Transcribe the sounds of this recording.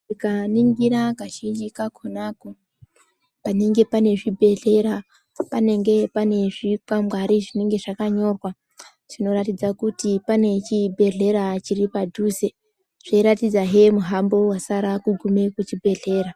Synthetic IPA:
ikaniŋɡiɾakaʃind͡ʒikakʰonako | pane̞ŋɡe̞pane̞ʐibʱe̞ɮe̞ɾa | pane̞ŋɡe̞pane̞ʐikamɡaɾiʐine̞ŋɡe̞ʐakaɲo̞rwa | ʐ̥ino̞ratid͡zakutipane̞t͡ʃibʱe̞ɮe̞ɾat͡ʃiripadʱuse | ʐ̥eɾatid͡zaɦemuɦambo̞wasaɾakuɡʱume̞kut͡ʃibʱe̞ɮe̞ːɾa

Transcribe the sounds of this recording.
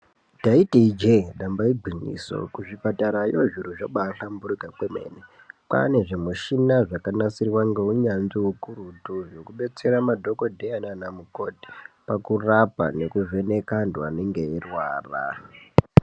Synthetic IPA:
taitid͡ʒeɗambaiɡʱiɲḭso̰kuʐipataɾajoʐiɾuʐaɓaɬambuɾikakweme̞̰ːne | pa̰ne̞ʐemuʃinaʐakanasiriwaŋɡe̞uɲanziwukuɾutuʐokuɓe̞t͡se̞ɾamadʱo̞ko̞dʱeananamuko̞dʱi̥pakurapa̰ne̞kuve̞ne̞kanduaneŋɡe̞erwaːra̰

